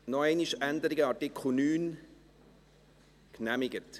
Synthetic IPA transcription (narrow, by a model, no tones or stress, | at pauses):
nɔɛɪniʃændəɾɪɡəɑtɪkʰχl̩ˠnyːn | knæmɪɡət